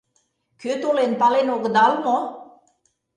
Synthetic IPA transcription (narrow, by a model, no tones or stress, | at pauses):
køt̪ulenpɑlenoɡd̪ɑlmo